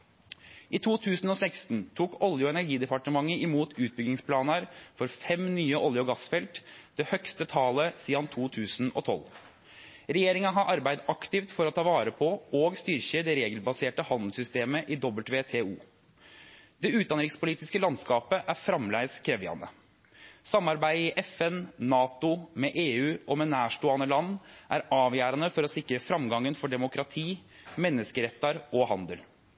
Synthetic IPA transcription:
ʔɪt̪ʰuːt̪ʰʉːsn̩ɔsæɪkst̪nt̪ʰuːkɔljʊɔɛnæɾɡiːd̪ɛpɑʈəmɑŋːəɪmuːt̪ʉːt̪̚bʏɡnɪŋspʰlɑːnəɾfɔɾfɛmnyːəʔɔljəɔɡɑsfɛlt̪d̪ɛhœkst̪ət̪ʰɑːləsiːɑnt̪ʰuːt̪ʰʉːsnɔ̰t̪ʰɔ̰l | ɾɛjeːɾɪŋɑɦɑʔɑɾbæɪd̪ɑkt̪ɪft̪fɔɾɔt̪ʰɑːʋɑːɾəpʰɔoɡst̪ʏɾçəd̪ɛɾeːɡəlbɑseːʈəhɑnd̪l̩sʏst̪eːməʔɪd̪ɔbəlt̪ʋeːt̪ʰeːuː | d̪̥ɛʉːt̪̚d̪ɑnəɾɪŋspʊliːt̪ɪskəlɑnskɑːpəʔæɾfɾɑmlæɪskʰɾɛʋɪɑ̰nə̰ | sɑmːɑɾbæɪɪʔɛfɛnnɑːt̪ʊmɛʔeːʉːʔɔmɛnæːʂʈoːɑnəlɑnːʔæɾɑːʋjæːɾɑnəfɔɾɔsɪkɾəfɾɑmɡɑŋːənfɔɖɛmʊkɾɑt̪ʰiː | mɛnːəskəɾɛt̪ːɑɾɔhɑnd̪əl

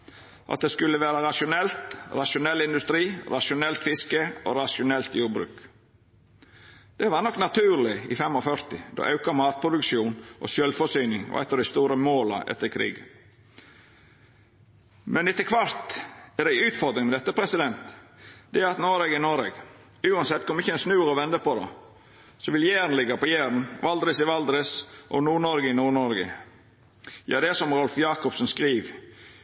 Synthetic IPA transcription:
ʔɑ̰t̪̚d̪ɛskʉlːəʋæːɾəɾɑʃʊnɛlt̪ɾɑʃʊnɛlːɪnd̪ʉst̪ɾiːɾɑʃʊnɛlt̪fɪskəo̰ːɾɑʃʊnɛlt̪juːɾbɾʉ̰ːk | d̪̥ɛʋɑːɾnɔkːnɑt̪ʰʉːɾlɪɪ̰fɛmɔfœɾt̪ɪd̪o̰ːʔɑʉkɑmɑːt̪̚pʰɾʊd̪ʉkʃuːnʔo̰ːʃœlfɔsyːnɪŋɔ̰ʔɛ̰t̪ːəɾɪst̪uːɾəmoːlɑ̰ʔɛ̰t̪ːəɾkʰɾḭːɡə | mɛnɪt̪ːəkʰʋɑɾt̪ɛɾd̪æɪʉːt̪fɔɾd̪ɾɪŋmɛd̪ɛt̪ːəpʰɾɛsɪd̪ɛnt̪d̪ɛæɾɑt̪noːɾeɡɪnɔɾeɡ | ʉːɑnsɛt̪ːkʰɔməɾɪçːəɛnsnʉːɾɔʋɛnd̪əpɔd̪ɛ̰ | sɔʋɪljæːɾən̩lɪɡɑpɔjæːɾən̩ʋɑld̪ɾɪsɪʋɑld̪ɾɪsʔɔ̰nuːɳɔɾɡəɪnuːɳɔɾɡə̰ | jɑ̰ːd̪ɛsɔmɾɔlfjɑːkɔpsnskɾiːʋ

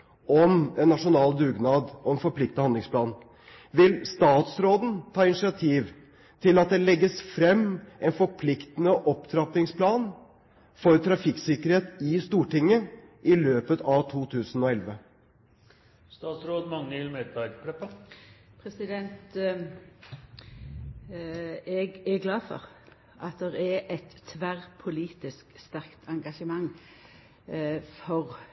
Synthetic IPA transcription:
ɔmɛnːɑʂʊnɑːld̪ʉːɡnɑːd̪ɔɛnfɔpʰlɪk̚t̪əhɑnd̪lɪŋspʰlɑːn | ʋɪlst̪ɑːt̪sɾoːd̪n̩t̪ʰɑːɪnɪʂɪɑt̪ʰiːʋ | t̪ʰɪlɑt̪̚d̪ɛlɛɡːəsfɾɛmːɛnfɔɾpʰlɪkt̪ənəʔɔpt̪ʰɾɑp̪ɪŋspʰlɑːn | fɔɾt̪ʰɾɑfɪksɪkəɾheːt̪ɪst̪uːʈɪŋːə | ʔɪløːpət̪ɑʋt̪ʰuːt̪ʰʉːsn̩ɔːɛlʋə | st̪ɑːt̪sɾoːd̪mɑŋːəɪlmeːd̪̚bæɾɡpʰɽɛpːəpʰɾɛsɪd̪ɛnt̪ | ɛɡɛɡlɑːfɔ̰ʁ | ʔɑt̪̚d̪ɛʁɛʔɛt̪ʰːʋæʁpʰʊliːt̪ɪskst̪æʁkt̪ʰɑŋɡɑʃəmɑŋː | fɔʁ

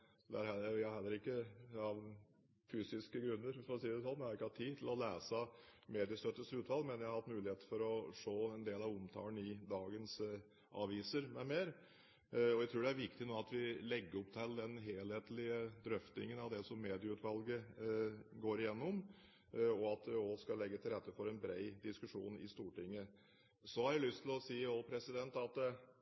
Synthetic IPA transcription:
d̪æɾhɛlʋɪhɑɾɦɛlːəɾɪkːəɑʋ | fyːsɪskəɡɾʉnːəɾfɔɾɔsiːəd̪ɛsɔnːjæhɑɾɪkːəhɑt̪ʰːiːdt̪ʰɪlɔlæːsəmeːd̪ɪəst̪œt̪ːəsʉːt̪ʋɑlɡmɛnjæhɑɾhɑt̪mʉːlɪheːt̪əfɔɾɔʂoːɛnd̪eːlɑʋʊmt̪ʰɑ̰ːənɪd̪ɑːɡəns | ʔɑ̰ʋiːsəɾmɛmeːɾ | ɔjæɪt̪ɾuːɖɛæɾʋɪkt̪ɪnoːɑt̪ʋɪlɛɡːəɾɔpt̪ʰɛld̪ɛnɦeːlheːt̪lɪəd̪ɾœft̪nɪ̰ŋənɑʋd̪ɛsɔmːeːd̪ɪəʉːt̪ʋɑlɡə | ɡoːɾɪjɛnːɔm | ɔɑt̪̚d̪ɛɔskɑlːɛɡːət̪ʰɪlɾɛt̪ːəfɔɾɛnbɾeɪd̪ɪskʉʂṵːnɪ̰st̪uːʈɪŋːə | sɔhɑɾjælʏst̪ʰɪlɔsiːɔpʰɾɛsɪd̪ɛnt̪ɑt̪

